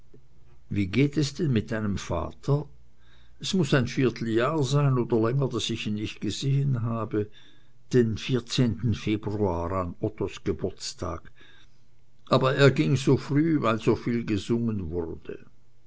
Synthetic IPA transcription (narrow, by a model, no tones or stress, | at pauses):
viːɡeːtɛsd̥ɛnmɪt̚d̥aɪnəmfa̰ːtʰɐ | ɛsmʊsaɪnfiːɐtʰl̩jaːɐzaɪnoːdɐlɛŋədasɪçiːnːɪçt̚ɡ̥əzeːənɦaːbə | d̥enfiːɐt͡seːntn̩feːbʁuaːʁanɔtosɡ̥əbʊɐt͡stʰa̰ːɡ | ʔaːbɐeːɐɡɪŋzoːfʁyːvaɪlzoːfiːlɡəzʊŋənvʊʁd̥ə̰